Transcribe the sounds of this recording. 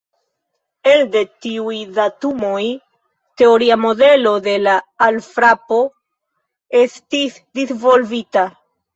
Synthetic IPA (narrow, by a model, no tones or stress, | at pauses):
e̞lde̞tiujdatumo̞j | te̞oɾiamo̞de̞lo̞d̪e̞laːlfɾapo̞ | e̞stis | d̪isvo̞lvita